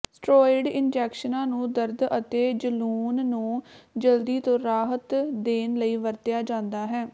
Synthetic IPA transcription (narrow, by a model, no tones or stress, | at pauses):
sʈɾoːɪɖɪnd͡ʒɛːkʃənãːnũːd̪əɾd̪ət̪eːd͡ʒəluːnːũːd͡ʒəld̪iːt̪õːɾaːɦət̪d̪eːnləiːʋəɾt̪ɪjaːd͡ʒãːnd̪aːɦɛː